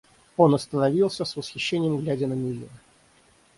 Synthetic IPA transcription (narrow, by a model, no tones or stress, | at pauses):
o̞nɐst̪ənɐvʲilˠsʲəsvəsxʲɪɕːenʲɪjəmɡlʲædʲɪnəmʲɪlʲḭɾə